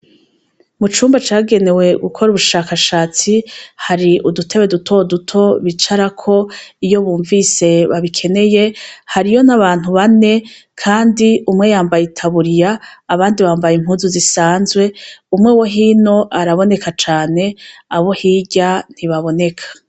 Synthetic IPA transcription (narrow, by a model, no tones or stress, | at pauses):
mut͡ʃuːmbat͡ʃaːɡe̞ne̞we̞ɡukʰo̞ɾuβuʃaːkaʃaːt͡sihaɾiʔudutʰeβe̞dutʰo̞dutʰo̞βit͡ʃaɾakʰo̞ijo̞βuːɱvise̞βaβikʰe̞ne̞je̞haɾijo̞naβaːn̥uβane̞ | kʰaːndiumŋe̞jaːmbajitʰaβuɾijaːβaːndiβaːmbajim̥huːzuzisaːnzwe̞umŋewoɦiːno̞ʔaɾaβo̞ne̞kat͡ʃaːne̞aβo̞hiːɟan̥iβaβo̞ne̞kʰḁ